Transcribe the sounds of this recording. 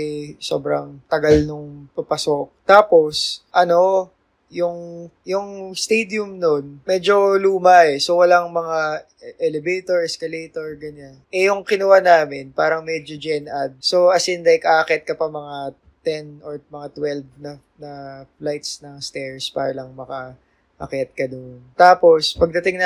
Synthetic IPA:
so̰bɾɐŋt̪ɐɡalnʊŋpɐpɐsok̚t̪aːpo̞sʔɐno̞ | jʊŋjʊŋst̪ɛjd̪jʊmnonmɛd͡ʒo̞luːmɐɛso̞wɐlaŋmɐŋa | ʔɛlɛbejt̪oɹɛskɐlejt̪oɹɡɐɲanɛjʊŋkɪnɐwanaːmɪnpaːɾɐŋmɛd͡ʒod͡ʒɛnad̪̚so̞ʔɐsɪnd̪ɐjkɐɐkɛt̪̚kɐpɐmɐŋa | t̪ɛnʔoɹmɐŋat̪wɛlvnɐ | nɐflajt̪snɐŋst̪ɛɹspa̰ːɾɐlɐŋmɐkɐ | ʔɐkɛt̪̚kɐd̪ont̪aːpo̞spɐɡ̚d̪ɐt̪ɪŋnɐ

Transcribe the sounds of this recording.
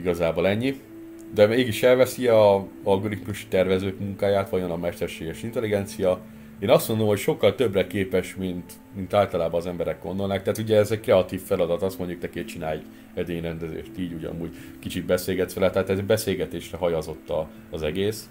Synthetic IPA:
iɡɒzaːbo̞lɛɲːi | d̪ɛmeːɡiʃɛlvɛsiɒɒlɡo̞ɾit̪muʃi̥t̪ɛrvɛzøːkmuŋkaːjaːt̪ʋɒjo̞nɒmɛʃt̪ɛrʃeːɡɛʃint̪ɛliɡɛnt̪sijɒ | eːnɒst̪mo̞nd̪o̞mhocʃo̞kːɒlt̪øbrɛkeːpɛʃmint̪ | mint̪aːlt̪ɒlaːbɒnːzɛmbɛɾɛk̚ɡ̥o̞̰nd̪o̞lnaːk̚t̪ɛaːt̪uɟɛːzɛɟkrɛɒt̪iːfːɛlɒd̪ɒt̪ɒst̪moɲɟukt̪ɛkeːt͡ʃinaːj | ɛd̪eːɲrɛnd̪ɛzḛːʃt̪iːɟuɟɒ̰muːɟ | kit͡ʃit̪̚bɛseːlɡɛt̪sʋɛlɛt̪ɛat̪ɛzbɛseːlɡɛt̪eːʃrɛɦɒjɒzo̞t̪ːɒː | zɛɡeːs

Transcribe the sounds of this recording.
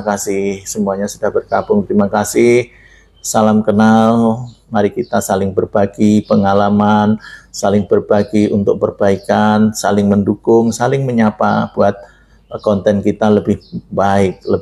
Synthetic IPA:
kasɪhsəmuaɲasudahbərkabʊŋt̪ɾimakasɪh | salamkənalmaɾikit̪asalɪŋbərbaɡipəŋalamansalɪŋb̥ərbaɡiʔunt̪ʊk̚pərb̥aikansalɪŋməndukʊŋsalɪŋməɲapa̰b̥uat̪̚ | kɔnt̪ɛnkit̪aləbɪhbaɪk̚lə

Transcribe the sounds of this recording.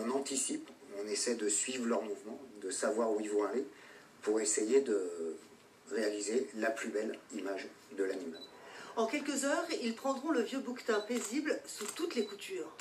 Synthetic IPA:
ɔ̃nɑ̃t̪isipɔ̃nesɛd̪əsɥivʁlœʁmuvmɑ̃d̪əsavwaʁuilvɔ̃ale | puʁesejed̪ə | ʁealizelaplybɛlimaʒ | d̪əlanima̰lɑ̃kʲɛlkəzœːʁilpχɑ̃d̪ʁɔ̃ləvjøbukt̪ɛ̃peziblsut̪ut̪lekut̪ʰyːʁ

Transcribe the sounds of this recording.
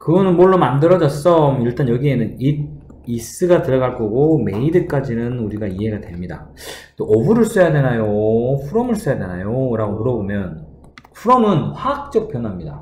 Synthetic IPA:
kɯɡʌnɯnmoɭːonmandɯɾʌd͡ʑʌs͈ʌmiɭt͈anjʌɡie̞nɯnid̚ | is͈ɯɡatɯɾʌɡaɭk͈ʌɡome̞idɯk͈ad͡ʑinɯnuɾiɡaiɦe̞ɡatwe̞mɲida̰ | t͈oʔʌbuɾɯɭs͈ujadwe̞najoɸʰuɾʌmɯɭs͈ujadwe̞na̰joɾaɡomɯɾʌbomjʌn | ɸʰuɾʌmɯnɸwaak̚t͡ɕ͈ʌk̚p͈ʰjʌnwamɲida̰

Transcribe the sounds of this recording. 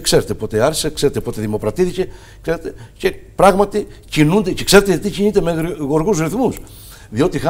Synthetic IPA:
kse̞ɾet̪epo̞t̪eɐɾsekse̞ɾet̪epo̞t̪eðimo̞kɾɐt̪iθice | kseɾet̪ece̞pɾɐɣmɐt̪icinund̪ece̞kse̞ɾet̪et̪icinit̪e̞meɣo̞ɾɣuzɾiθmus | ðio̞t̪ix

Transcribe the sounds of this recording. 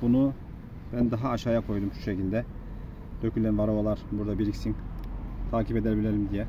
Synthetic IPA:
b̥unu | bænd̪aɦaːʃaːjakʰo̞jd̪umʃu̥ʃecilʲd̪ɛ | d̪̥øcʰylʲænvaɾovalˠaɾbuɾd̪abiɾicsiŋt̪ʰaːciped̪æɾbilʲeɾimd̪ijɛ

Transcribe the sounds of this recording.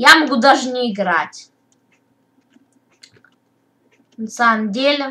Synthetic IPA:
jamɐɡud̪aʐnʲɪɪɡɾatʲ | nɐsamdʲelʲɪ

